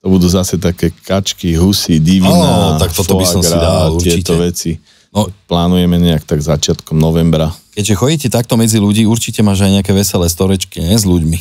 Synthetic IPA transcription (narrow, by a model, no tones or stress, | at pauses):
t̪ɔbud̪uːzasɛt̪akɛːkʰat͡ʃkiɦusid̪iʋinaɔt̪akt̪ɔt̪ɔɔbiasɔmɡɾaiad̪auɪt͡ʃɛit̪ɔʋɛt͡si | nɔplaːnujɛmɛɲɛakt̪aɡzat͡ʃɪat̪kɔmnɔʋɛmbɾakɛɟʒɛxɔɟiːcɛt̪ak̚t̪ɔmɛd͡ziluɟiːuɾt͡ʃicɛmaːʒajɲɛakɛːʋɛsɛlɛːst̪ɔɾɛt͡ʃkiɲɛzʎuɟmi